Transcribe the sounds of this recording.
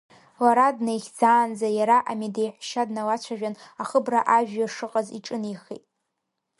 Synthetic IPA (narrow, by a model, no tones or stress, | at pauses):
waɾadnejχʲd͡zaːnd͡zajaɾaʔamidejħʷʃadnawat͡ɕʷʰaʒᶣanaχəbraʔaʒᶣaʂɨqʼazḭʈ͡ʂʼɨnijχḛtʼ